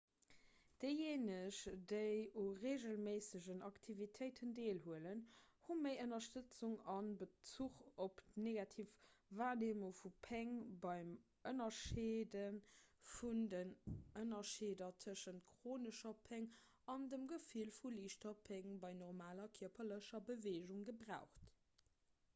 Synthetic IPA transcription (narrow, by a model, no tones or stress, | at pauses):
d̥əɪjeːnəʃdəɪoʁeːʑəlmeːsəʑənɑktʰivitʰəɪtʰəndeːlhuələn | huməɪʔənɐʃtət͡suŋɑnbət͡suχopneɡɑtʰiːfvaːʁneːmofupʰɛŋbɑɪm | ʔənɐʃeːdənfundənənɐʃeːdɐtʰəʃənt̚kʀoːnəʃɐpʰɛŋ | ɑndəmɡəfiːlfuliːʃtɐpʰɛŋbɑɪnɔʁmaːlɐkʰiɐpʰɐləʃɐbəveːʒuŋɡəbʁaʊχt